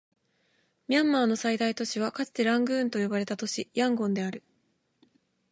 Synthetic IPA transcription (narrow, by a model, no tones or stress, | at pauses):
mʲiãmːaːno̞said̪ait̪o̞ɕiβ̞akat͡sɨ̥t̪e̞ɾãŋɡɯ̟̃ːnt̪o̞jo̞baɾe̞t̪at̪o̞ɕijãŋɡõ̞nd̪e̞aɾɯ̟